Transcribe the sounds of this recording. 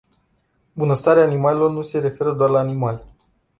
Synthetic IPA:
bunəst̪aɾeaːnimalelo̞rnuse̞ɾe̞fe̞ɾəd̪oarlaːnimal

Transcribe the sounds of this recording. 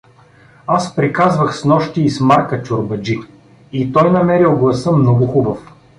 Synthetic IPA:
aspɾikazvəxsnɔʃt̪iːsmaɾkət͡ʃʊɾbɐd͡ʒi | it̪ɔjnɐmɛɾilˠɡlˠɐsəmnɔɡʊxubəf

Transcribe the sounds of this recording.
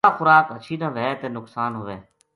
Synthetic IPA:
aːxʊɾaːkɦət͡ʃʰiːnəʋɛːt̪eːnʊksaːnɦʊːʋeː

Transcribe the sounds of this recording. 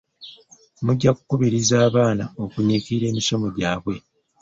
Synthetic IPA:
muɟːaku̥kuβiɾizaːβaːnao̞kuɲikiɾe̞ːmiʃo̞mo̞ɟaːβwe̞

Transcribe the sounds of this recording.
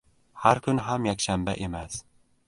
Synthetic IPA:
haɾkʰʊnɦamjakʲʃamba̰ʔe̞mas

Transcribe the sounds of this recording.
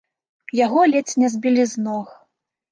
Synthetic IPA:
jaɣɔlʲɛt͡sʲnʲɛzʲbʲilʲiznɔx

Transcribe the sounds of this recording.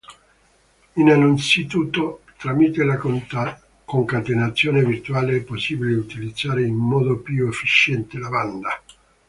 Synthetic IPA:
inaluinsit̪uːt̪ːot̪ɾamit̪ela | koŋkat̪enat̪sːjoːnevirt̪uwaːleɛpːosːiːbileut̪ilid̪zːaːɾeinmɔːd̪opjuefːit͡ʃɛnt̪elaband̪a

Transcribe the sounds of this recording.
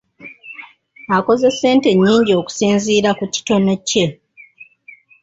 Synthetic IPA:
ako̞ze̞se̞ːnte̞ɲːiːɲɟio̞ːku̥siːnziːɾakuci̥to̞no̞ce̞

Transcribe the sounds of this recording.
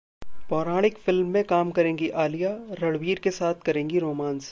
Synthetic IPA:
pɔːɾaːɽ̃ɪkfɪlmːẽkaːmkɐɾẽːŋɡiʔaːlijaɾɐɽʋiːɾkesaːt̪ʰkɐɾẽːŋɡiɾoːmãːns

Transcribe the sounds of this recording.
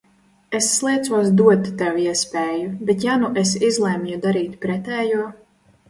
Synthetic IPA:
esːlˠiɛt̪suɔsd̪uɔt̪ːɛwiɛspʲɛːjubʲet̪januʔesizlˠɛmjud̪aɾiːt̪ʲpɾɛt̪ɛːjuɔ

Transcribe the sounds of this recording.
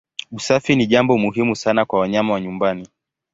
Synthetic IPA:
usafiniʄambɔmuɦimusanakwawaɲamawaɲumbani

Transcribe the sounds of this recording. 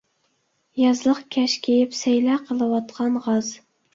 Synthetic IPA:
jɑzlˠəqkʲʰæʃkʲʰejɪpsæjlæqʰəlˠɨwɑt̪̚qʰɑnʁɑz

